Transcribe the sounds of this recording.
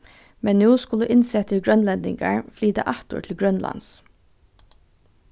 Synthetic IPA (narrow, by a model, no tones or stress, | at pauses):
mɛnnjuːskʊləʔɪnsɛt̪ʰɪɡɹœnlɛnd̪ɪŋɡɑ̰ɹfliːd̪əʔɑt̪ṵːʈʰl̩ɡɹœnlʔɑ̰ns